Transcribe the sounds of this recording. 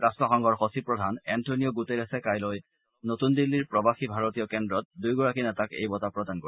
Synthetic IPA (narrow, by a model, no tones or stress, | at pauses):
ɹastɹɔxɔŋɡɔɹxosipɹɔdʱanɛntʰonijɔɡuteɹasɛkajlɔj | notundilːiɹpɹɔbaxibʱaɹotijɔkɛndɹɔt̚dujɡɔɹakinɛtakḛjbɔtapɹɔdanko